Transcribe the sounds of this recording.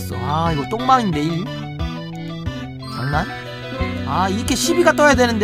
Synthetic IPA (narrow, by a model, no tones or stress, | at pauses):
s͈o̰aiɡot͈oŋmaŋind̪e̞i | sanːan | aiɯkeɕʰibiɡat͈ojade̞nɯnd̪e